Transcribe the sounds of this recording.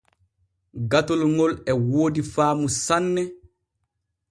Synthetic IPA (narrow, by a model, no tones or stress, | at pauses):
ɡatolŋɔlɛwoːdifaːmusanːɛ